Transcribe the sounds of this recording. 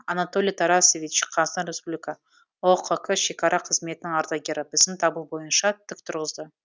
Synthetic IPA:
ɑnat̪o̞lʲijt̪ʰɑɾɑsvʲit͡ʃqʰɑʁst̪ɑnɾe̞spublʲikɑ | oqʰokʰəʃe̞kɑɾʔɑqʰəzme̞t̪ɪnɪŋɑɾd̪ɑɡʲeɾɪbɪzɪmt̪ʰɑbəlˠbo̞jənʃɑt̪ʰːʏk̚t̪ʰʊɾʁəzd̪ə

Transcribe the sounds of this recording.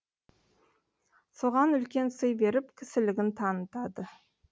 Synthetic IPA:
so̞ʁɑnʏlkʲe̞nsəjbe̞ɾɪpkʲʰɪsɪlɪɡʲɪnt̪ʰɑnət̪ɑd̪ə

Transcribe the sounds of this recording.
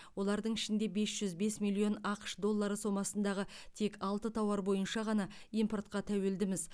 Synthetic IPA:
wo̞lˠɑɾd̪əɴɪʃɪnd̪e̞be̞sʒ̥ʏzbe̞smilʲˠio̞nɑqə̥ʃd̪o̞lˠːɑɾəso̞mɑsənd̪ɑʁət̪ʰe̞kɑlˠt̪ət̪ʰɑwɑɾbo̞jənʃɑʁɑnɑ | ijmpo̞rt̪̚qɑt̪ʰæwe̞ld̪ɪmɪz

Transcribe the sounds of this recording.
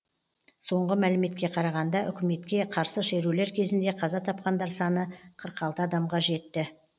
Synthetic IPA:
so̞ɴʁəmælɪme̞t̪kʲe̞qʰɑɾɑʁɑnd̪ɑʔʏ̰kʲɪme̞t̪kʲe̞qʰɑɾsəʃe̞ɾule̞ɾkʲʰe̞zɪnd̪e̞qʰɑzɑt̪ʰɑp̚qɑnd̪ɑɾsɑnəqʰəɾqɑlˠt̪əɑd̪ɑmʁɑʒe̞t̪ːɪ

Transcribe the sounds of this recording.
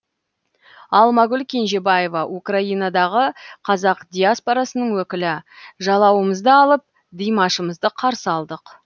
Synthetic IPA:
ɑlˠmɑɡʲʏlkʲʰe̞nʒe̞baje̞vɑʔukraijnad̪ɑʁəqʰɑzɑqd̪ʲijaspoɾɑsənəɴwɵkʲɪlɪʒɑlˠɑwəməzd̪əɑlˠəp̚ | d̪ijmɑʃəməzd̪əqʰɑɾsəɑlˠd̪əq

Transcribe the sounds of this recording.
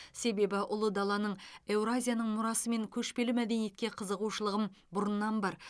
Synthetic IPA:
se̞be̞bɪʔʊlˠəd̪ɑlˠɑnəɴe̞wɾazʲijanəɴmʊɾɑsəme̞ŋkʲʰɵʃpe̞lɪmæd̪e̞nije̞t̪̚kʲe̞qʰəzəʁuʃəlˠəʁəmbʊɾənnɑnbɑɾ

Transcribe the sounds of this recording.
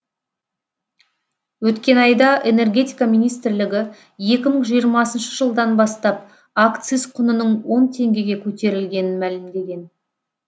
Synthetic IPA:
wɵt̪kʲe̞nɑjd̪ɑʔe̞ne̞rɡʲe̞t̪ijkamijnijst̪ɪɾlɪɡʲɪ | je̞kʲɪməɴʒijəɾmɑsənʃəʒəlˠd̪ɑnbɑst̪ɑp̚ | akt̪sɨsqʰʊnənəɴwo̞nt̪ʰe̞ŋɡʲe̞ɡʲe̞kʲʰɵt̪e̞ɾɪlɡʲe̞nɪnmælɪmd̪e̞ɡʲe̞n

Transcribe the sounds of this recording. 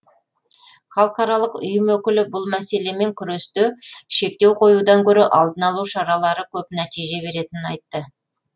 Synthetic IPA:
χɑlˠəqɑɾɑlˠəqʊ̰jəmwɵkʲɪlɪbʊlˠmæse̞le̞me̞ŋkʲʰʏɾest̪ʏʃe̞k̚t̪e̞wqʰo̞jud̪ɑŋkʲʰɵɾeʔɑlˠd̪ənɑlˠuʃɑɾɑlˠɑɾəkʲʰɵpnæt̪ijʒe̞be̞ɾe̞t̪ɪnɪnɑjt̪ːə

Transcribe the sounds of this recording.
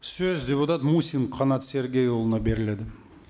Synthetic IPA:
sɵzd̪ʲe̞put̪ɑt̪musʲinqʰɑnɑt̪sʲe̞ɾɡʲe̞jolˠənɑbe̞ɾɪle̞d̪ɪ

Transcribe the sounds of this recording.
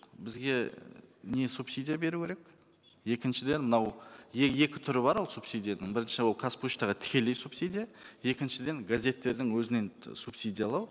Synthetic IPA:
bɪzɡʲe̞ne̞supsijd̪ijabe̞ɾuwkʰʲeɾek | je̞kʲɪnʃɪd̪e̞nmənɑweje̞kʲɪ̥t̪ʰʏɾɪbɑɾwolˠsupsijd̪ijanɪɴbɪɾɪnʃɪwo̞lˠkʰasput͡ʃt̪ɑʁɑt̪ʰɪ̥kʲe̞le̞jsupsid̪ʲijaje̞kʲɪnʃɪd̪e̞ŋɡazʲe̞t̪ːe̞ɾd̪ɪŋwɵzɪne̞nsupsijd̪ʲijalˠɑw

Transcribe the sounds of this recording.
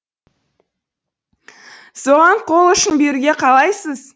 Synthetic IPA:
so̞ʁɑɴqʰo̞lˠʏʃɪnbe̞ɾuɡʲe̞qʰɑlˠɑjsəz̥

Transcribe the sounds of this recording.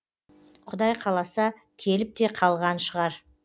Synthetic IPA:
qʰʊd̪ɑjqʰɑlˠɑsɑ | kʲʰe̞lɪp̚t̪e̞qʰɑlˠʁɑnʃəʁɑɾ

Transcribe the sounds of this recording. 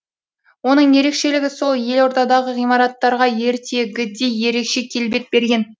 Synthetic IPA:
wo̞nəɴje̞ɾe̞kʃe̞lɪɡʲɪso̞lˠje̞lo̞ɾt̪ɑd̪ɑʁəʁijmɑɾɑt̪ːɑɾʁɑje̞ɾt̪ʰe̞ɡʲɪd̪e̞jje̞ɾe̞kʃe̞kʲʰe̞lbe̞t̪̚be̞ɾɡʲe̞n

